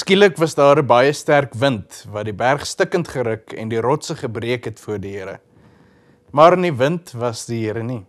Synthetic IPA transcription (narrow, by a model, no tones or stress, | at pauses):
skiləkvɐsdɑːɾəbɐjəstærkvəntvɐdibærχstəkəntχəɾəkɛ̰ndiɾɔtsəχəbriəkɦɛtfuərdiɦəəɾə̰ | mɑrnivəntvɐsdiɦəəɾəni